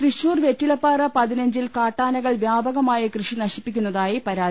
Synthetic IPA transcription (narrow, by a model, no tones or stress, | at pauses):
kriɕuːrʋje̞tːilɐpːaːrɐpɐðinɐɲd͡ʑilkaːʈːaːnɐɣɐɭʋjaːbɐɣɐmaːjɐkrɨʂinɐɕipːikʲːunːɐðaːjipɐɾaː